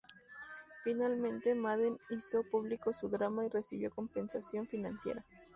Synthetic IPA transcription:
finalmẽ̞nt̪e̞maðenisopuβlikosuðɾamaire̞siβjo̞ko̞mpe̞nsasjoɱfinãnsjḛɾa

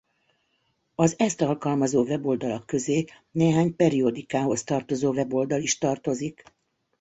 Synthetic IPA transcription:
ɒzɛst̪ɒlkɒlmɒzoːvɛbo̞ld̪ɒlɒkːø̞zeː | neːɦaːɲpɛɾio̞d̪ikaːɦo̞st̪ɒrt̪o̞zoːvɛbo̞ld̪ɒliʃt̪ɒrt̪o̞zik

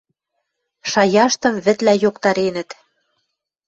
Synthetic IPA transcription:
ʃɑjɑʃt̪ɤ̆mβɘ̆t̪læjokt̪ɑɾenə̆t̪

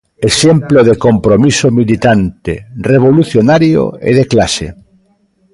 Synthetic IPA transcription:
eʃemploðekompɾomisomilit̪ant̪ḛreβ̞oluθjonaɾjo̰ḛðeklasḛ

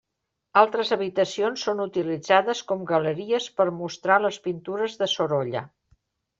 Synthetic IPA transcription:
alˠt̪ɾəzəβit̪əsionsːonut̪ilid͡zaðəskɔmɡələɾiəspəɾmust̪ɾaləspint̪uɾəzðəsoɾɔʎə̰

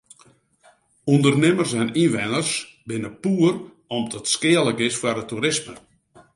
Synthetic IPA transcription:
undərnɪmərsɛninʋɛnərsbɪnəpuər | ɔmdɔtskɪəlˠəkɪsfwarətuɾɪsmə

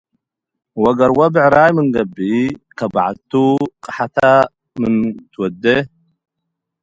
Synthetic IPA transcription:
wɐɡɐɾwɐbɨʕɾajmɨnɡɐbːikʰɐbaʕa̰t̪ʰuqʼɨħat̪ʰa | mɨnt̪ʰwɔd̪ːɐ

